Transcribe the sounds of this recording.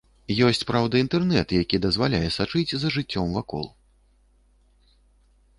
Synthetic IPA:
jɔsʲt͡sʲpɾawd̪ɐint̪ɛrnɛt̪jakʲid̪ɐzvalʲajɛsat͡ʂɨd͡zʲzɐʐɨt͡sʲːɔmvakɔ̰lˠ

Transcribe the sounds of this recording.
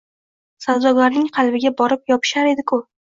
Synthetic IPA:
sawzɒɡaɾnɪŋqʰɑlˠbɪɡʲabɒɾɪp̚jɒpʰɪ̥ʃaɾe̞d̪ɪkʰʊ

